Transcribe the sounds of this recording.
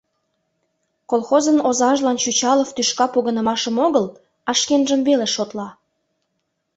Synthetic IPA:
kolxozənozɑʒlɑnt͡ɕyt͡ɕɑləft̪yʃkɑpoɣənəmɑʃəmoɣəl | ɑʃkenʒəmveleʃot̪lɑ

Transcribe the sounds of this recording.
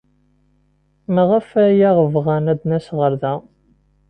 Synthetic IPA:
mæʁæfæjæʁəvʁænæd̪næsʁəɾðæ

